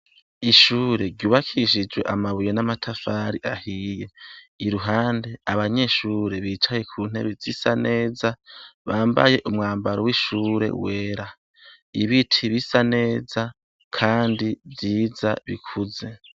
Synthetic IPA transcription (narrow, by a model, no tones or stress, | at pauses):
iʃuːɾe̞ɾɟuːβakʰiʃ̬id͡ʒwe̞ʔamaβujenamatʰafaɾiʔahijeiɾuɦaːnde̞aβaɲe̞ʃuːɾe̞βiːt͡ʃaje̞kʰuːn̥e̞̰βizisane̞ːzaβaːmba̰je̞ʔumŋaːmbaɾowiʃuːɾe̞̰we̞ːɾa | iβitʰiβisane̞ːza | kʰaːndivjiːzaβikʰuze̞